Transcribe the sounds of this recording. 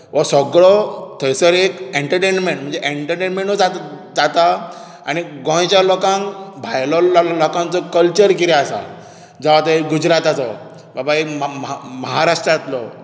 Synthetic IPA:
ʋɔsɔɡɭɔt̪ʰəjsəɾikeɳʈəɾʈenmeɳʈm̤ə̃nd͡zeʔeɳʈəʈenmeɳʈɔd͡za | d͡zat̪a | añiɡɔ̃j̃t͡ɕjalɔkãŋbʱajlɔlɔkãnt͡sɔkəlt͡ɕəɾkiɾiasa̰ | d͡zaʋat̪eiɡud͡ʑɾat̪at͡sɔ | babaimməɦaɾaʂʈɾat̪lɔ

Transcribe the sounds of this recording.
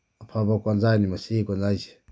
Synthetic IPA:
apʰabakwanzanimasikanzait͡ʃi̥

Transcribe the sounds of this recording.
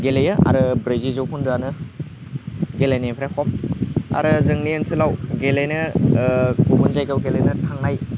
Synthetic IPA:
ɡelejɯʔa̰ɾɯbɾezizowpʰunduanɯ | ɡelajnipʰɾakʰɔma̰ɾɯzɯŋniensɯlawɡelejnɯ | kumunzajɡawɡelejnɯtʰaŋnaj

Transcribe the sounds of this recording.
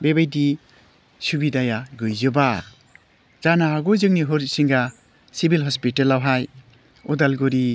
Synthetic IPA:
bebajdi | subidajaɡɯjzɯbaɾ | zanaːɡɔzɯŋniɦoɾsiŋɡa | sibilɦɔspitelawɦaj | ɔdalɡɔɾi

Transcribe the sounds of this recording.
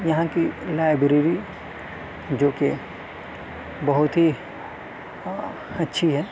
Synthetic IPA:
jɐɦãkilaːɪbɾeɾi | d͡ʒoːke | bɐɦʊt̪ɦi | ɐtːʃʰiɦɛː

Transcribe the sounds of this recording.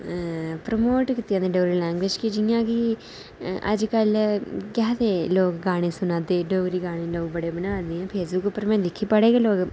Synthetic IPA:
pɾəmoːʈkɪt̪ːɪjãnd̪eɖɐːɾilɛːŋɡʋeːd͡ʒkid͡ʒijãːki | ɐ̰d͡ʒkɐlkʲaːt̪eːloːkɡaːɳ̃ĩsʊnaːd̪eɖoːɡɾiːɡaːɳĩloːɡ̚bɐɽeːbɐnaːd̪iãːpʰeːsbʊkːpːəɾmɛ̃ːd̪ɪkʰːipɐɽeːɡaloːk

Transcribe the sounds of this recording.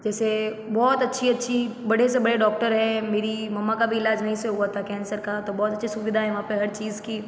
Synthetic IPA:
d͡ʒɛːse | bɔːt̪ɐtːʃʰiɐtːʃʰibɐɽ̤esebɐɽeɖɔːk̚ʈəɾɦɛ̃meːɾimɐmːakabʱiɪlaːd͡ʒnɐɦĩseɦuat̪ʰakɛ̃ːnsəɾkat̪obɔːt̪ɐtːʃʰisʊʋɪd̪ʱaɦɛjʋɐɦãpeɦɐɾt͡ʃiːzki

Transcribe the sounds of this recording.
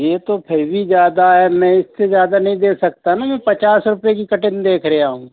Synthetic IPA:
jeːt̪oːpʰɪɾʋid͡ʒjaːd̪aɦɛːmɛ̃ːɪsːezjaːd̪aːnəɦĩːd̪eːsək̚t̪anaːmɛ̃ːpət͡ʃaːsɾʊpeːk̬ikəʈɪnd̪eːkʰɾəɦeaːɦõː

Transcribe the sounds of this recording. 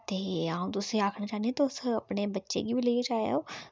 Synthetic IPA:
t̪eːaːũt̪ʊsiaːkʰɽat͡ʃaːniẽt̪oʊsɐpnebɐtːʃḛɡibʱileːt͡ʃaːja̰oː

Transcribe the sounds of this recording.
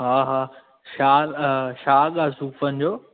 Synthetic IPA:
ɦaːɦaː | ʃaːlʃaːɠasuːfənɪ̆d͡ʑoː

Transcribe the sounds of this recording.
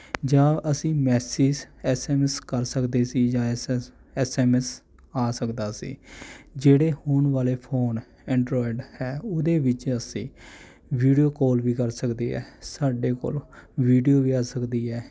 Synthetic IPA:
d͡ʒãːʔəsĩːmɛːsiːd͡ʒɛːsɛːmɛskəɾsəkd̪eːsiːd͡ʒãː | ɛːsɛːmɛs | aːsəkd̪aːsḭːd͡ʒeːɽeːhoːnʋaːleːpʰoːn | ɛ̃ːɳɖɾɔːɪɖhɛːʊd̪eːʋɪt͡ʃəsĩː | ʋiːɖijoːkoːlʋiːkəɾsəkd̪eːɦɛ̰ːsaːɖeːko̰ːlʋiːɖijoːʋiːaːsəkd̪iːɦɛː

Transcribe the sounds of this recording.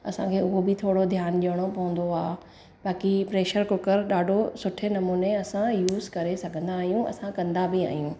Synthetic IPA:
ɐ̰sãkʰeːʊɦobɪt̪ʰoːɽod̪ʱjaːnʄiəɽ̃opɐɦʊ̃nd̪oaːe | ɓaːkipɾeːʃəɾkʊkəɾɗaːɖʱosʊʈʰenɐmuːneɐsãjuːzkɐɾesɐɡʱə̃nd̪aːɦijũɐ̰sãkɐ̃nd̪abɪa̰ːɦijũː

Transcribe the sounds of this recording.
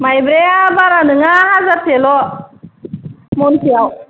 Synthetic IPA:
majbɾeabaɾanɯŋaɦazaɾt̪elɔ | mɔnsiaw

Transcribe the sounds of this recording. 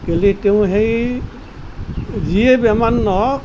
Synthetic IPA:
keliteʊ̃ɦej | ziebɛmanːɔ

